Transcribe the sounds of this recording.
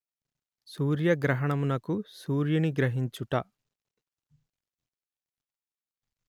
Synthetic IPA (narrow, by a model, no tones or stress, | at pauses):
suːɾjɐɡɾɐɦɐɳɐmunɐkusuːɾjɐniɡɾɐɦiɲt͡ʃuʈɐ